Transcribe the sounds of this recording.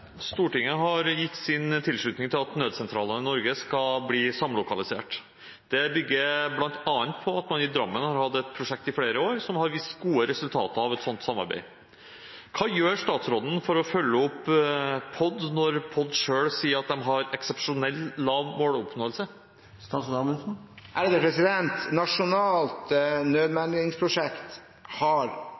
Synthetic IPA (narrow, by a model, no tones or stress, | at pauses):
st̪uːʈɪŋːəɦɑɾjɪt̪ːsɪnt̪ʰɪlʂɭʉːt̪nɪŋt̪ʰɪlɑt̪nøːd̪sɛnt̪ɾɑ̰ːlənəɪnɔɾɡəskɑbliːsɑmlʊkɑlɪsḛːʈ | d̪̥ɛbʏɡːəɾblɑnt̪ɑːnt̪pʰɔɑt̪mɑnɪd̪ɾɑmːənhɑɾhɑd̪ːɛt̪̚pʰɾʊʂɛk̚t̪ɪfɽeːɾəoːɾsɔmhɑɾʋɪst̪ɡuːəɾɛsʉlt̪ʰɑ̰ːt̪əɑʋɛt̪sɔnt̪sɑmːɑ̰ɾbæ̰ɪ | kʰɑːjøːɾʂt̪ɑːt̪sɾɔd̪ən̩fɔɾɔfœlːəɔpː | pʰɔd̪nɔɾpʰɔd̪ʂøːɭsiːəɾɑt̪̚d̪ɛmɦɑɾɛksɛpʂʊnɛlːlɑːʋmoːɽʊpnoːəlsə | st̪ɑsd̪ɑːməsn̩ʔæɾd̪ɛpʰɾɛsɪd̪ɛnt̪nɑʂʊnɑːlt̪nøːd̪mænɪŋspʰɾʊʂɛkt̪ | hɑɾ